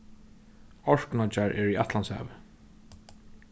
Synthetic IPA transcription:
ɔɹknɔt͡ʃaɹʔɛɹiat̪lansha̰ːvɪ

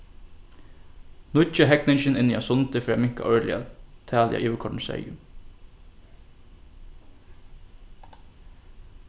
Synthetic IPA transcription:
nʊt͡ʃaɦɛknɪnʃɪnɪniasʊnt̪ɪfɾːmɪŋ̥ka̰ʔɔɹlɪ̰a̰t̪ʰæːlja̰ʔiːʋəkʰɔʈɳ̩sɛ̰ːjɪ

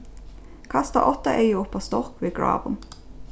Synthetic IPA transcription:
kʰɑst̪ə̰ʔɔt̪əʔeɪəʊpːoːst̪ɔʁkʋeːɡɹɑ̰ːʋən

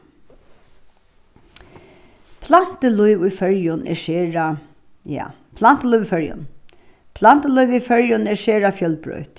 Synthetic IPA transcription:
pʰlan̥t̪əlʊjʋʊjfœɹjʊnɛ̰ɹʃeːɹa | ja̰ː | pʰlan̥t̪əlʊjʋʊjfœɹjʊ̰n | pʰlan̥t̪əlʊjʋijfœɹjʊnɛʃɛːɹafjœlpɹœ̰ɥt̪

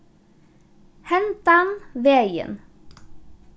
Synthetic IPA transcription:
hɛnt̪ɑnʋeːjə̰n

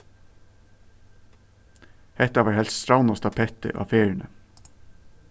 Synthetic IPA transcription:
hɛt̪ɑʋɑːɹhɛlsst̪ɾɑʊnɑst̪ʰɑpʰɛt̪ə̰ʔɑ̰ːfeːɹɳə̰

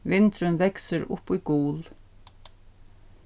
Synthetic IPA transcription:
ʋɪnt̪ɾʏmʋɛksəɾʊ̰puːɡuːl

